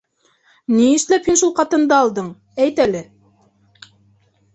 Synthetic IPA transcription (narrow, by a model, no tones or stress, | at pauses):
niɘ̆ʃlæphinʃulˠqɑt̪ɤ̆nd̪ɑːlˠd̪ɤɴ | æjt̪ælɘ